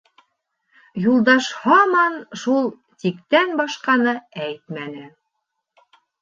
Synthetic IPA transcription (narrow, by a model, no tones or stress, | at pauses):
julˠd̪ɑʃhɑmɑnʃulˠ | t̪ikt̪ænbɑʃqɑnɤæjt̪mænɘ